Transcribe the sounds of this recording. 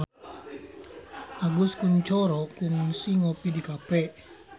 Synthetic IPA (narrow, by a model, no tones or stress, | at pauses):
ʔaɡʊskunt͡ʃɔɾɔkuŋsiŋopidikapɛʔ